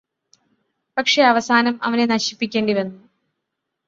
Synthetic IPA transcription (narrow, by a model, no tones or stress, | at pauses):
pɐkʂe̞ɐʋɐsaːnɐmɐʋɐne̞nɐɕi̥pːikʲːe̞ːɳɖiʋenːu